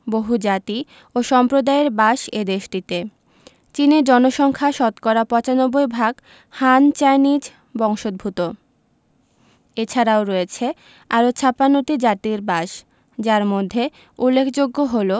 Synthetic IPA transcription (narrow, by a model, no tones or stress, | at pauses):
boɦud͡ʑat̪i | oʃɔmpɾod̪aeɾbaʃed̪eʃʈit̪e | t͡ɕineɾd͡ʑɔnoʃɔŋkʰaʃɔt̪kɔɾapɔt͡ɕanɔbːojbʱaɡ | hant͡ɕajnid͡ʑ | bɔŋʃod̪̚bʱut̪o | et͡ɕʰaɾaoɾɔjet͡ɕʰe | aɾot͡ɕʰapanoʈid͡ʑat̪iɾbaʃ | d͡ʑaɾmod̪ʱːe | ulːekʰd͡ʑoɡːoɦolo